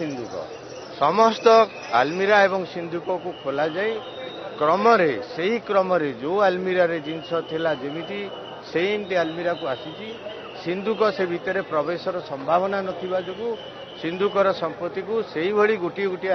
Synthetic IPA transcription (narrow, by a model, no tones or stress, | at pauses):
ind̪ukɔ̰ | sɔmɔst̪ɔ | a̰lmiɾaebɔŋsind̪ʱukɔkukʰolad͡ʒaj | kɾɔmɔɾeseɦikɾɔmɔɾed͡ʒoalmiɾaɾed͡ʒinsɔt̪ʰilad͡ʒemit̪ʰi | sejnʈ̪ealmiɾakuasit̪ʰi | sind̪ukɔsebʱit̪ɔɾepɾɔbesɔɾɔsɔmbʱabɔnanɔt̪ʰibad͡ʒuku | sind̪ʱukɔɾɔsɔmpɾɔt̪ikuseɦibʱɔɽiɡuʈiɡuʈi